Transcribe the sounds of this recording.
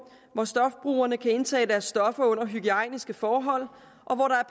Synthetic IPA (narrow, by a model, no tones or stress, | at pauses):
ʋɒsd̥ɒ̽fb̥ʁṵːɐnəkʰæe̝nt͡sʰɛ̰ːd̥æɐsːd̥ɒ̽fɐɔ̽n̰ɐɦyɡ̥iɑɪ̰nisɡ̥əfɒːɦɒ̽l̰ | ʔɒ̽ʋɒɾɑ̈æɐpʰ